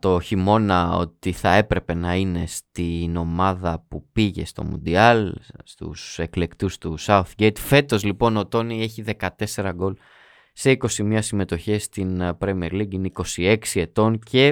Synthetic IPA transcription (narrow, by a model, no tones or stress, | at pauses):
t̪o̞çimo̞nɐo̰t̪iθɐe̞pɾe̞pe̞nɐine̞st̪ino̞mɐðɐpupiʝe̞̰st̪o̞̰mṵ̃nd̪iɐlst̪ṵse̞kle̞kt̪ust̪usɐuθɟejt̪fe̞t̪o̞zlipo̞no̞t̪o̞nie̞çiðe̞kɐt̪e̞se̞ɾɐɡo̞l | se̞iko̞simiɲɐsime̞t̪o̞çest̪inpɾemieɾliɡiniko̞sie̞ksie̞t̪o̞ncʰe̞